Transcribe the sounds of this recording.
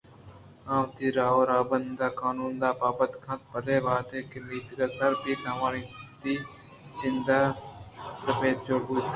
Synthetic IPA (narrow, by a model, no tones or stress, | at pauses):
ãːʋt̪iːɾaːoːɾaːbənd̪d̪aːkaːnuːnd̪aːpaːbənd̪kʰãːt̪̚pəd̪eːʋaːt̪eːkemiːt̪ɡɐɾsɐɾp̪iːt̪aʋãːɾiːt̪iː | t͡ʃɪnd̪aː | sɐpeːt̪t͡ʃoːbuːt̪ː